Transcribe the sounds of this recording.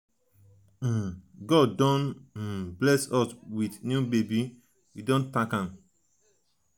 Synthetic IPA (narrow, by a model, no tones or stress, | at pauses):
ɡɔddɔ̃n̩ | blɛsɔswidnjubebi | widõntãkãm